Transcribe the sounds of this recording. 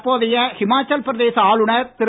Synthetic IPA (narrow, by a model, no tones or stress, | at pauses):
pːoːðɐjɐhɪmaːt͡ʃːɐlpɾɐðeːsɐaːlɯɳɐɾt̪ɪɾ